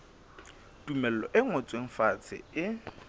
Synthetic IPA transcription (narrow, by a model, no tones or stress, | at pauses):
tumɛl̩lɔʔɪŋɔt͡sʼweŋ̩fat͡sʰɪ̰ɪ